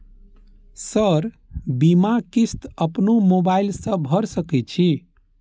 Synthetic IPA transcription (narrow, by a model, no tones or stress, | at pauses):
səɾ | bimakist̪əpnomobailsə̃bʱəɾsəkɛt͡ʃʰi